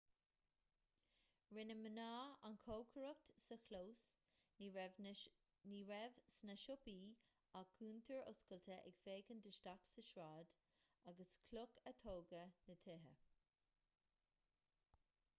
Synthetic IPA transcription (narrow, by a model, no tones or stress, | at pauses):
ɹɪnəmənaːankʰoːkʰəɹək̚tsəkʰloːs | niːɹɛvsnəʃʊpiː | akʰuːnt̪ʰəɹʊ̰skəlt̪ʰəʔɛ̰ɡfeːkəndɪʃtaksəʃɹaːd̪ | aɡəskʰlʊkʰət̪ʰoːɡənət̪ʰɪɦə